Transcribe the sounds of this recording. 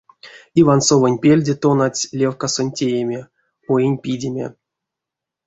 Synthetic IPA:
ivansovənʲpʲelʲdʲet̪onatʲlʲevkasonʲtʲejemʲe | ojenʲpʲidʲemʲḛ

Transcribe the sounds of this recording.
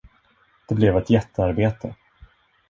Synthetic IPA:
d̪̥ɛblɛvɛt̪jɛt̪ʰːəaɾbeːt̪ʰə̰

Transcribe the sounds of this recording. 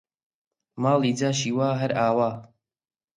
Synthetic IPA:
maːlˠiːd͡zaːʃiːwaːɦɐɾaːwaː

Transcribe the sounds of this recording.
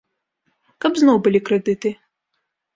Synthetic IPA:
kɐbznɔwbɨlʲikɾɛd̪ɨt̪ɨ

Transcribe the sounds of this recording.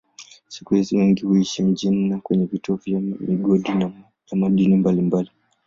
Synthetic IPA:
si̥kuhiziwiŋɡihuiʃim̩d͡ʒinːakwɛɲɛvitɔvjamiɡɔɗin | jamaɗinimbalimbali

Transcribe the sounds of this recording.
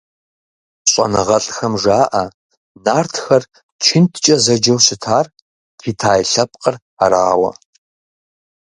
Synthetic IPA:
ɕʼɐ̰nɨʁɐɬʼxɐmʐaːʔɐ | naːrtʰxɐr | t͡ʃʷʰɪntʰt͡ʃʼɐzɐd͡ʒɐwɕɪtʰaːr | pʰiːtʰaːjɬɐp̚ʼqʼər | aɾa̰ːwɐ̰

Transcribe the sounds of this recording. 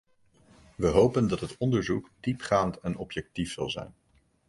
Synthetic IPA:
ʋəɦowpəndɑtɦətɔndəɹzukd̥ipχaːntɛnɔpjɛk̚tifsɑ̰lˠzɛ̰jn

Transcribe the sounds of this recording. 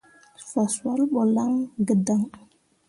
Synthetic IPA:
saswalɓolaŋɡədaŋ

